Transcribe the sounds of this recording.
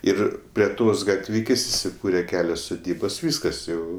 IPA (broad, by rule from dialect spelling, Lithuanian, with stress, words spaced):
ˈɪr pʲrʲiɛ ˈtoːs ɡɐtʲˈʋʲɪkʲeːsʲ ɪsʲɪˈkuːrʲɛ ˈkʲæːlʲoːs sʊˈdʲiːboːs ˈʋʲiːskɐs jɛʊ